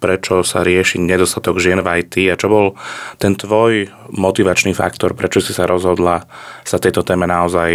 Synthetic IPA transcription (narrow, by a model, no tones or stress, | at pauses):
pɾɛt͡ʃɔsa̰ɾɪɛʃiɲɛd̪ɔst̪at̪ɔɡʒɪɛnvajt̪iat͡ʃɔbɔlt̪ɛnt̪ʋɔj | mɔt̪iʋat͡ʃnifa̰kt̪ɔɾpɾɛt͡ʃɔsisaɾɔzɦɔd̪lasat̪ɛjt̪ɔt̪ɛːmɛnaɔzaj